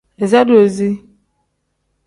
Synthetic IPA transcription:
e˨za˦do˨zi˦

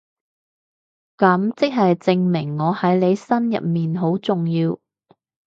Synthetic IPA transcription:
kɐ˨˥mt͡sɪ˥k̚ɦɐ˨jt͡sɪ˧ŋmɪ˨˩ŋːɔː˨˧hɐ˨˥jle˨˧jsɐ˥njɐ̰˨p̚miː˨nɦo˨˥wt͡sʊ˨ŋjiː˧w

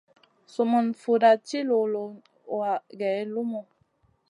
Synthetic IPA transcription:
su˨mu˨nfu˨da˨t͡ʃi˦lo˨lo˨ | a˨ɡɛ˨˦lu˦mo˨

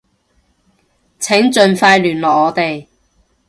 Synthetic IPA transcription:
t͡sʰɛ˨˥ŋt͡ʃɵ˨nfaː˧jlyː˨˩nlɔː˨k̚ŋɔː˨˧t̪e˨j

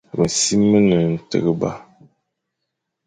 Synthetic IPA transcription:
bə˨n˨si˦mːə˦nɨ˨n̩˨tɨ̰˨ɣɨ˦ba̰˦

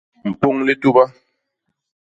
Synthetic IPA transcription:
m̩˨pu˦ŋli˦tu˦ba˦

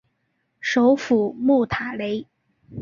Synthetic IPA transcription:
ʂo˧˥ʊfu˨˩mu˥˩t̪ʰa˨˩le˧˥ɪ

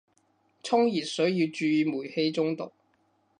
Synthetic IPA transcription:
t͡sʰʊ˥ŋjiː˨˩t̚sɵ˨˥jiː˧wt͡ʃyː˧˨muː˨˩jhe˧jt͡sʊ˥ŋt̪ʊ̰˨˩k̚

